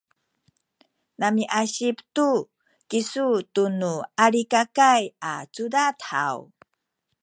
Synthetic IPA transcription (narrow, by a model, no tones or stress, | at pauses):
namiʔaɕiptu | kisutunuaɾikakaja̰t͡sudatha̰w